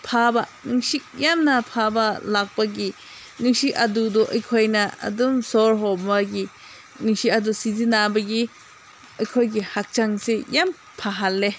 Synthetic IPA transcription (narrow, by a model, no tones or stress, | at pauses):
pʰabanɯŋsik̚jamnapʰabalak̚paɡi | nɯŋsikʔadudɔʔɐjkʰojnaɐ̰dumsɔɾɦɔbaɡi | nɯŋsiadusizinabɐɡi | ɐjkʰojɡihak̚t͡ʃaŋsejam | pʰaɦalːe